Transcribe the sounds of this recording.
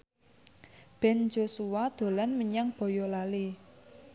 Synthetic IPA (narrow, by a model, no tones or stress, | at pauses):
b̥ɛnd͡ʒosuwad̪̥o̤lanməɲaŋb̥ɔ̤jɔlali